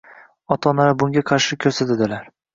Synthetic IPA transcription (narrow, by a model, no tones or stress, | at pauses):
ɒt̪ʰɒnaɾabʊŋɡʲaqʰɑɾʃɪkʲʰɵɾsat̪ad̪ɪlaɾ